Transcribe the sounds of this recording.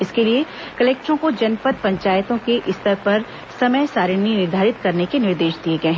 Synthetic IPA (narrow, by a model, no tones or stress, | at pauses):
ɪskelie | kɐleːk̚ʈɾõkod͡ʒɐnpət̪̚pɐ̃ɲt͡ʃaːjt̪õkeʔɪst̪əɾpɐɾ | sɐməjsaːɾɪninɪɾd̪ʱaːɾɪt̪kɐɾnekenɪɾd̪eːʃd̪ieɡɐeɦɛ̃